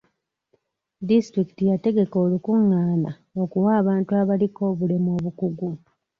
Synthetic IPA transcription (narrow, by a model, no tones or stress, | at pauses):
distɾiki̥tijate̞ɡe̞ko̞ːlukuŋːaːna | o̞kuwaːβaːntuaβaliko̞ːβule̞mo̞ːβukuɡu